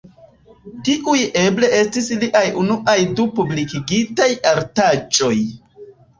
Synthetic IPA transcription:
tiʔuje̞ble̞e̞stisliʔajunuʔajdupublikiɡitajaɾtat͡ʃo̞j

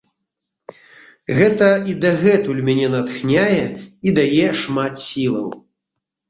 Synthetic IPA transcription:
ɣɛt̪ɐid̪ɐɣɛt̪ulʲmʲanʲɛnat̪xnʲajɛid̪ajɛʂmat̪sʲilˠɐ̰w

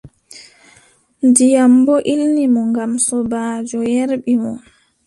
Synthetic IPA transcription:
ndijambɔʔilnimɔŋɡamsɔbaːd͡ʒɔjɛɾɓimɔ

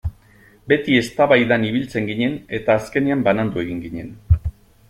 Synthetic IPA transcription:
be̞t̪ie̞st̪aβajðaniβ̞ilt͡se̞ŋɡiɲe̞ne̞t̪aːske̞niambanand̪ue̞ɣiŋɡiɲe̞n

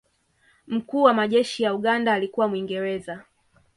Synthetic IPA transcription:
m̩kuːwamaʄɛʃijauɠandaːlikuwamwiŋɡɛɾɛza

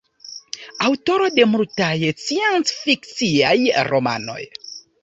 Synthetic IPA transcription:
awto̞ɾo̞de̞multajsiensfikt͡siajɾo̞ma̰no̞̰j

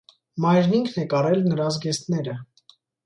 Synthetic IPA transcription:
mɑjɾniŋkʰnɛkɑɾɛlnəɾɑzɡɛst̪nɛɾə

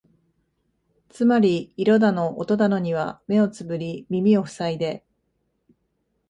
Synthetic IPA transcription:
t͡sɨmaɾʲiːɾo̞d̪ano̞ʔot̪o̞d̪ano̞ɲ̟iβ̞a̰me̞o̞t͡sɨbɯ̟ɾʲimʲimʲio̞ɸɯ̟̥said̪e̞

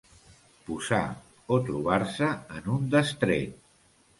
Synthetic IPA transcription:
puza̰ | ot̪ɾuβ̞aɾsəːnund̪əst̪ɾḛt̪

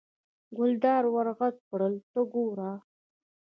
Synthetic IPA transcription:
ɡʊld̪ɑːɾwaɾɣat̪̚pɽəlt̪əɡoɾa

